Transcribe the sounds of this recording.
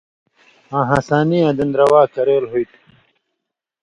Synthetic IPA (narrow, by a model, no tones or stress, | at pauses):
ãːɦãsaːnijãːd̪ɐnd̪ɾɐwaːkɐɾeːlɦujt̪